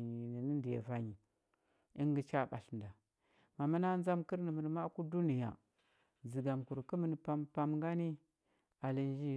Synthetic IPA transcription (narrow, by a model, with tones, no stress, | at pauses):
ɲi˨ni˨ni˦ndi˨ja̰˨va˨ɲi˨ | i˦ŋɡə˦t͡ʃa˦˨ɓa˨ɬnda˨ | ma˨mə˦na˦n˦za˦mkə˦ɾni˨mə˨n˨ma˦ku˦du˦ni˨ja̰˨ | d͡zi˨ɡa˨mku˨ɾkə˦mə˨n˨pa˦mpa˦mŋɡa˦ni˦ | a˨li˨n˦d͡ʒi˦˨